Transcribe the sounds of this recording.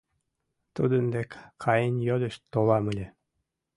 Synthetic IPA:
t̪ud̪ənd̪ekkʰɑjənjod̪ə̆ʃt̪olɑməlʲĕ

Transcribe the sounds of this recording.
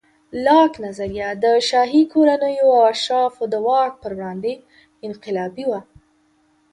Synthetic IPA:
lɑknazaɾjad̪əʃɑɦikʰoɾanəjoawaʃɑfod̪əwɑk̚pəɾwɽɑnd̪e | ɪnqɪlɑbiwa

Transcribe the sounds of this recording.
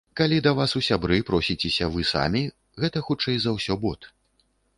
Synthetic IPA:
kalʲid̪ɐvasusʲabɾɨpɾɔsʲit͡sʲɛsʲɐvɨsa̰mʲi | ɣɛt̪ɐxut͡ʂɛjzɐwsʲɔbɔt̪

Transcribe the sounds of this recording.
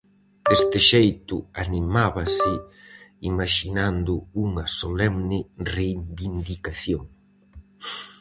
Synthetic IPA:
est̪ɪʃejt̪ʊanimaβɐsɪ | imaʃinand̪ʊuŋɐsolɛmnɪreimbind̪ikaθjoŋ

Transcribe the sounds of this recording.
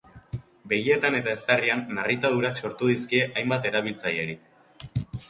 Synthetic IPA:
be̞ɣie̞t̪ane̞t̪ae̞st̪erianːarit̪aðuɾakso̞ɾt̪uðiskie̞ʔajmbat̪e̞ɾaβ̞ilt͡saje̞ɾi

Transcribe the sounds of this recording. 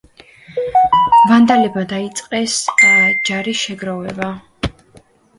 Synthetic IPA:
vand̪alɛbmad̪ait̪sʼqʼɛsd͡ʒaɾiʃɛɡɾavɛba

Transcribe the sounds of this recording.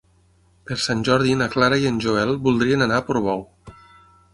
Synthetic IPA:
peɾsanʲʒɔɾðinaklaɾaiənʲʒoɛlbulˠd̪ɾienanapoɾβɔw

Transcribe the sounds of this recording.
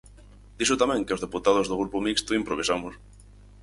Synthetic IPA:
d̪̥isʊt̪amɛ̃ŋkeozðeput̪að̞ʊzðoɣ̞ɾupomikst̪ʊimpɾoβ̞isamʊs

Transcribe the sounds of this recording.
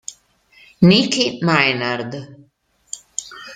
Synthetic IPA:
nikimajnaɾd̪ɨ

